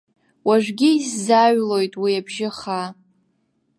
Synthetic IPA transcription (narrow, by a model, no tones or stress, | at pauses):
waʒᶣʷɡʲɪːsːaɥlo̞jtʼwiabʒɪχa